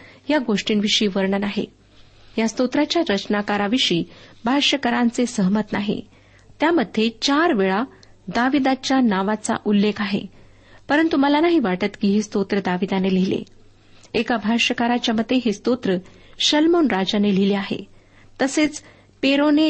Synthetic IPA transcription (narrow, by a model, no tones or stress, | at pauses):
jaɡoʂʈiːnʋiʂiːʋəɾɳənaɦḛ | jast̪ot̪ɾat͡ɕjaɾət͡ɕnakaɾaʋiʂiːbʱaɾɕəkəɾãnt͡sesəɦmət̪naɦḛ | t̪jaməd̪ʱːet͡ɕaɾʋeɭa | d̪aʋid̪at͡ɕjanaʋat͡sa̰ʔulːekʰaɦḛ | pəɾənt̪uməlanaɦiʋaʈət̪kiːɦist̪ot̪ɾəd̪aʋid̪anelilḛ | ekabʱaɾɕəkaɾat͡ɕjaməd̪ʱːeɦist̪ot̪ɾəɕəlmonɾad͡ʑanelileaɦḛ | t̪əset͡s | peɾone